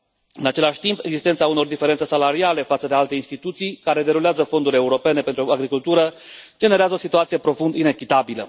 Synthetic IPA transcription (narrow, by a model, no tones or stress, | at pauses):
ɨnat͡ʃe̞laʃʲt̪impeɡzist̪ent̪sauno̞rd̪ifeɾent̪sesalaɾiale̞fat̪səd̪e̞alt̪e̞inst̪it̪ut̪sijkaɾe̞d̪e̞ɾuleazəfo̞nd̪uɾʲe̞uɾo̞pe̞ne̞pe̞nt̪ɾuaɡɾikult̪uɾə | d͡ʒe̞ne̞ɾeazəo̞sit̪uat̪sije̞pɾo̞fund̪ine̞kʲit̪abilə̰